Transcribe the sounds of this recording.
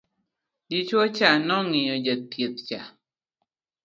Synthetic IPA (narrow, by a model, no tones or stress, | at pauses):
dit͡ʃot͡ʃanɔŋiɔd͡ʒət̪̚pjet̪̚t͡ʃa̰